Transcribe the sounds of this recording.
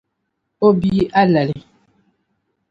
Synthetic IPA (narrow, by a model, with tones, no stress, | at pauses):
o˦bi˦ʔa˦la˨li˨